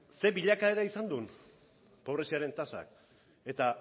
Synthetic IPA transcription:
se̞βbiʎakae̞ɾaisand̪un | po̞β̞ɾe̞siaɾe̞nt̪asa̰k | e̞t̪a

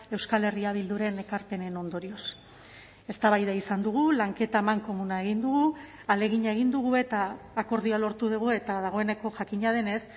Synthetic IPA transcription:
e̞wskale̞riaβild̪uɾe̞ne̞kaɾpe̞ne̞no̞nd̪o̞ɾio̞s | e̞st̪aβajðaisand̪uɣ̞ulaŋke̞t̪aemaŋko̞munaeɣ̞ind̪uɣ̞u | ale̞ɣiɲae̞ɣ̞ind̪uɣ̞ue̞t̪aːko̞ɾðialo̞ɾt̪uðuɣue̞t̪aðaɣ̞o̞e̞ne̞ko̞ʝakiɲað̞e̞ne̞s

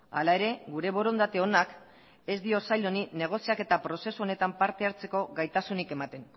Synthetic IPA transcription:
a̰lae̞ɾe̞ɣuɾe̞βo̞ɾo̞nd̪at̪eo̞nak | e̞zd̪io̞sajʎo̞nine̞ɣ̞o̞siake̞t̪apɾo̞se̞suo̞ne̞t̪ampaɾt̪e̞aɾt͡se̞ko̞ɣajt̪asunike̞mat̪e̞n

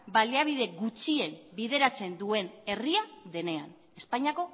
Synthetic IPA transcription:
baljaβ̞iðe̞ɡut͡ʃie̞mbiðe̞ɾat͡se̞nd̪ue̞ne̞riaðe̞ne̞an | e̞spaɲiako̞

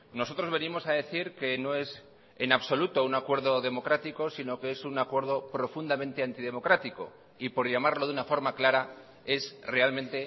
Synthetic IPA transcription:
no̞so̞t̪ɾo̞zβe̞nimo̞saðe̞θiɾke̞no̞e̞s | enaβso̞lut̪o̞unakwe̞ɾðo̞ðe̞mo̞kɾat̪iko̞sino̞keesunakwe̞ɾð̞o̞pɾo̞fund̪amẽnt̪e̞ant̪iðe̞mo̞kɾat̪iko̞̰ | ipo̞ɾʝamaɾlo̞ðunafo̞ɾmaklaɾa | e̞sre̞almẽnt̪e̞

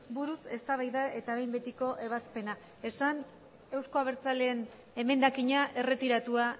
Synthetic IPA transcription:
buɾuse̞st̪aβ̞ajðae̞t̪aβe̞jmbe̞t̪iko̞ʔe̞β̞aspe̞na | e̞san | e̞wsko̞aβ̞e̞ɾt͡sale̞ːn | e̞me̞nd̪akiɲaʔe̞re̞t̪iɾat̪ua

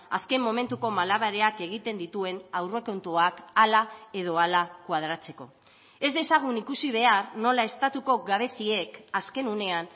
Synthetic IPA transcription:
a̰ske̞mːo̞me̞nt̪uko̞malaβaɾeake̞ɣ̞it̪e̞nd̪it̪ue̞nawre̞ko̞nt̪uakalae̞ð̞o̞alakwað̞ɾat͡se̞ko̞̰ | e̞zd̪e̞saɣ̞unikusiβ̞e̞arno̞lae̞st̪at̪uko̞ɡaβ̞e̞sie̞kaske̞nune̞an

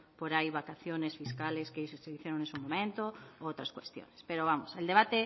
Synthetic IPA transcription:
poɾajβakaθjonesfiskaleskeisoseiθjeɾõŋnesumõmẽnt̪oowt̪ɾaskwest̪jo̰nespeɾoβamoseld̪eβ̞at̪e

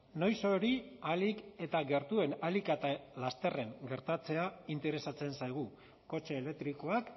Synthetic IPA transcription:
no̞jso̞ɾialike̞t̪aɣe̞ɾt̪ue̞nalikat̪alast̪e̞re̞ŋɡe̞ɾt̪at͡se̞aint̪e̞ɾe̞sat͡se̞nsajɣ̞u | ko̞t͡ʃe̞ːle̞k̚t̪ɾiko̞ak

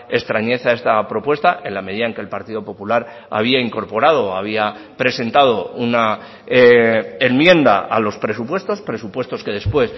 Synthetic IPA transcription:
e̞st̪ɾaɲe̞θae̞st̪apɾo̞pwe̞st̪aʔe̞nlame̞ð̞iðaeŋke̞lpaɾt̪iðo̞po̞pulaɾ | a̰β̞iaiŋko̞ɾpo̞ɾað̞o̞aβ̞ia | pɾe̞se̞nt̪að̞o̞una | enmje̞nd̪a̰a̰lo̞spɾe̞supwe̞st̪o̞spɾe̞supwe̞st̪o̞ske̞ðe̞spwe̞s

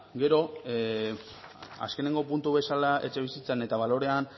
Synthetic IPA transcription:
ɡe̞ɾo̞ | a̰ske̞ne̞ŋɡo̞punt̪uβe̞salae̞t͡ʃe̞βisit͡sene̞t̪aβ̞alo̞ɾe̞an

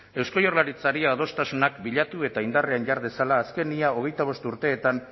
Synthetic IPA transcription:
e̞wsko̞jo̞rlaɾit͡saɾiaːð̞o̞st̪asunakbiʎat̪ue̞t̪aind̪areanʝaɾðe̞salaːske̞niao̞ɣ̞e̞jt̪aβ̞o̞st̪uɾt̪e̞ːt̪an

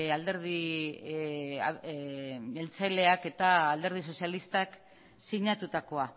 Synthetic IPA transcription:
ald̪e̞ɾði | elt͡sajle̞ake̞t̪aːld̪e̞ɾð̞iso̞sialist̪ak | siɲat̪ut̪ako̞a

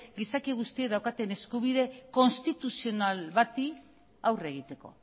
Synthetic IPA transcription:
ɡisakiɣust̪ie̞ðawkat̪e̞ne̞skuβiðe̞ko̞nst̪it̪usio̞nalβat̪i | awre̞ɣ̞it̪e̞ko̞̰

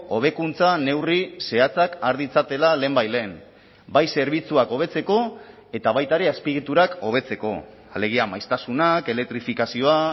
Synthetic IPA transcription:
o̞β̞e̞kunt͡sane̞wrise̞at͡sakaɾðit͡sat̪e̞lale̞ːmbajle̞ːn | bajse̞ɾβ̞it͡suako̞β̞e̞t͡se̞ko̞ | e̞t̪aβajt̪aɾe̞aspiɣit̪uɾako̞β̞e̞t͡se̞ko̞̰ | ale̞ɣiamajst̪asunake̞lek̚t̪ɾifikasio̞a

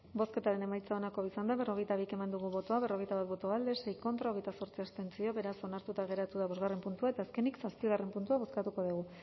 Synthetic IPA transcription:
bo̞ske̞t̪aɾe̞ne̞majt͡saonako̞isand̪aβe̞ro̞ɣ̞e̞jt̪aβike̞mand̪uɣ̞uβo̞t̪o̞aβe̞ro̞ɣ̞e̞jt̪aβat̪bo̞t̪o̞ald̪e̞se̞jko̞nt̪ɾao̞ɣ̞e̞jt̪aso̞ɾt͡siast̪e̞nt͡sio̞βe̞ɾaso̞naɾt̪ut̪aɣe̞ɾat̪uðaβo̞zɣarempunt̪uae̞t̪aːske̞niksaspiɣ̞are̞mpunt̪uaβo̞skat̪uko̞ðuɣ̞u

